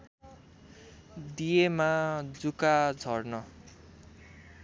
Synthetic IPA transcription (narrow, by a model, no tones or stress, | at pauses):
d̪ijemad͡zukad͡zʱʌrnʌ